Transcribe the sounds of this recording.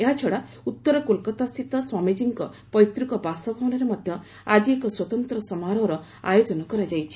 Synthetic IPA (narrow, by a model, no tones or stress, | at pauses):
eɦat͡ʃʰɔɽa | ut̪ːɔɾɔkulkɔt̪ast̪ʰit̪ɔswamid͡ʒiŋkɔ | pɔjt̪ɾukɔbasɔbʱɔwɔnaɾemɔd̪ʱjɔ | ad͡ʒiekɔswɔt̪ɔnt̪ɾɔsɔmaɾɔɾɔ | a̰jod͡ʒɔnɔkɔɾad͡ʒajt͡ʃʰi̥